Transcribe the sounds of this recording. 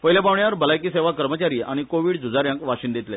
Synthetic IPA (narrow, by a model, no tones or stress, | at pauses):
pəɦilabaʋɳjaəɾbəlajkiːseʋakəɾmət͡ɕaɾiːʔaɽ̃ikoʋiːɽd͡zud͡zaɾjãŋkʋaɕiːnd̪et̪le